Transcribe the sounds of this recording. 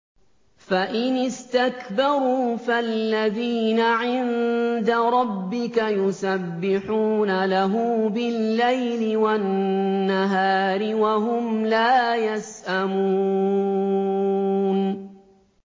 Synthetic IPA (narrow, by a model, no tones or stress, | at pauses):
faʔɪnɪst̪akbɑɾˤuːfalːaðiːnaʕɪnd̪aɾˤɑbːɪkajʊsabːɪħuːnalaɦʊmbɪlːajlɪwanːaɦaːɾɪwaɦʊmlaːjasʔamuː | n